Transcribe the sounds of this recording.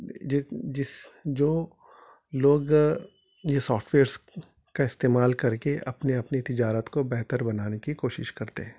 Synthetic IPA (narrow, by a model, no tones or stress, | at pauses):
ɪd͡ʒɪsd͡ʒoː | loːɡ | jesɔːfʈʰʋeːəɾs | kaɪst̪eːmaːlkɐɾkeʔɐ̰pneɐpnit̪ɪd͡ʒaːɾət̪kobɛɦt̪əɾbɐnaːnekikoːʃɪʃkɐɾt̪ḛɦɛ̃ː